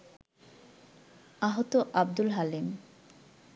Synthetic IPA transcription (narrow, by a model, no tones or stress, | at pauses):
aɦot̪oʔab̚d̪ulɦalim